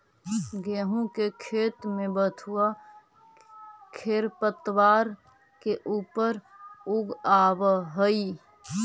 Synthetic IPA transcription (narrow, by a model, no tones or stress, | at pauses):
ɡɛɦũkekʰeːt̪mẽbət̪ʰua | kʰeːɾpət̪waːɾ | keʔuːpəɾʊɡaːwɦəi